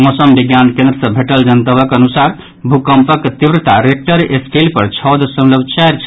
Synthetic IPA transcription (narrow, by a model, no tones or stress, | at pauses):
mosəmbiɡjankẽnd̪ɾəsəbʱeʈəld͡ʒənt̪əbəkənusaɾ | bʱukəmpəkt̪ibɾət̪aɾek̚ʈəɾesʈelpəɾt͡ʃʰɔd̪əsəmləbt͡ʃaɾt͡ʃʰ